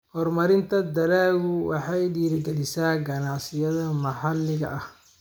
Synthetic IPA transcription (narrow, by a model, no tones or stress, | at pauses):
hɔrmɐɾɪnt̪ʰɐd̪ɐlaːɣʊwɑ̰ħɑjɖiːɾɪɡɛlɪsaːɡɐnɑʕsɪjɐðɐmɐħɑlːɪɣɐ̰ʔɐh